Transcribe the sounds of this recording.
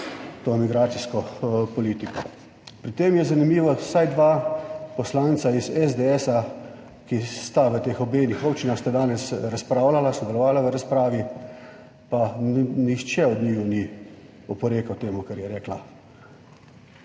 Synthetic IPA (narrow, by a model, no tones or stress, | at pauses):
t̪oːmiɡɾaːt̪siskɔpɔliːt̪ikɔ | pɾit̪eːmjɛzanimiːʋɔsajd̪ʋapɔslaːnt̪saizɛzd̪eɛsa | kist̪aʋət̪eːxɔbeːnixɔpt͡ʃinaxst̪ad̪aːnɛsɾaspɾaːwlalasɔd̪ɛlɔʋaːlaʋəɾaspɾaːʋi | panixt͡ʃɛɔd̪nijuni | ɔpɔɾeːkawt̪eːmukɛɾjɛɾɛːkla